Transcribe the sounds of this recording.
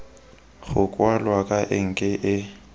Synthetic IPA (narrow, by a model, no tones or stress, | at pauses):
ɣʊkʼwalwakʼaʔɪŋ̩kʼɪʔɪ